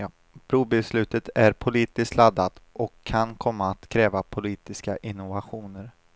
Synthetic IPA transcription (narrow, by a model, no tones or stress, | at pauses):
bʰɾuːbɛslʉ̟ːt̪ət̪ʰæɾpʰʊliːt̪ɪskt̪lad̪ːat̪ɔkʰːankʰɔmːaːt̪kʰɾɛːvapʰʊliːt̪ɪskaʔɪnʊvaɧuːnəɾ